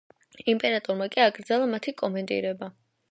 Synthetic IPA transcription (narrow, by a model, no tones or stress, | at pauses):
impʼɛɾat̪ʼɔɾmakʼiaɡɾd̪zɛlˠamat̪ʰikʼɔmɛnt̪ʼḭɾɛba